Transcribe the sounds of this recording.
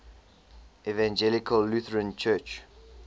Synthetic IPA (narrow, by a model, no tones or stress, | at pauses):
ɛvãnd͡ʒɛlɪkʰəlːuθəɹə̃nt͡ʃʰɜˑt͡ʃ